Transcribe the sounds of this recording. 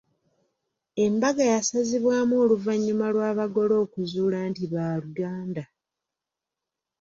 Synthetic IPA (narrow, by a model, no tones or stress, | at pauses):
e̞mbaɡajasaziβwaːmoːluvaɲːumalwaːβaɡo̞lo̞ːkuzuːlaːntiβaːluɡaːnda